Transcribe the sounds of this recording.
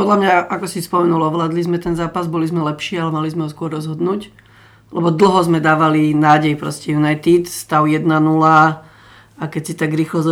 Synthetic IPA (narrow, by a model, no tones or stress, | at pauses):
pɔd̪lamɲaʔakɔsispɔmɛnulɔʋlaːd̪lizmɛt̪ɛnzaːpazbɔlizmɛlɛpʃɪɛalɛmalizmɛɦɔskʊɔɾɾɔzɦɔd̪nuːc | lɛbɔd̪l̩ˠɦɔzmɛd̪aːʋalinaːɟɛjpɾɔscɛjunajt̪it̪st̪aʊjɛd̪nanula | akɛcsit̪aɡɾiːxlɔz